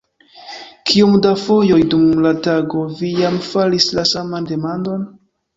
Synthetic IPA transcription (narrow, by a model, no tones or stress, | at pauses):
kʰiomdafo̞jo̞jdumlataɡo̞vijamfalislasamande̞mando̞n